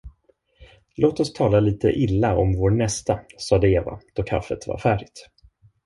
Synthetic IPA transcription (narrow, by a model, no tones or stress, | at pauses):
loːt̪ɔst̪ʰɑːlaliːt̪ə̰ʔɪlːaɔmvoːɳɛst̪asɑːd̪əeːva̰d̪̥ɔkʰa̰fːət̪va̰ɾfæːɖɪt̪